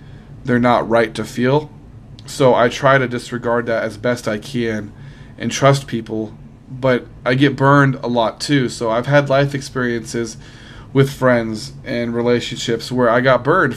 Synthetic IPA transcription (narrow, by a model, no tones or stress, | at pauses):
ðə˞nəʔ̚ɹaɪtʰɨfilˠ | soʊʔaɪtʰɹ̥aɪɾɨdɨsɹɨɡɑɹd̪̚ðɨɾɨzbɛstaɪkʰɨ̃n | ʔɨ̰̃ntʰɹ̥ʌs̬pʰipl̩ˠ | bʌɾ | ʔaɪɡɛt̚b̥ɜ̃˞ndə̰lɔtʰʉsoʊaɪv̥ɨdˡlaɪfɨkspɪɹiɨ̃nsɪz | wɨð̥fɹɛ̃ndzʔɨ̃nɹileɪʃɨ̃nʃɪpswə˞aɪɡɑt̚b̥ɜ̃˞nd̥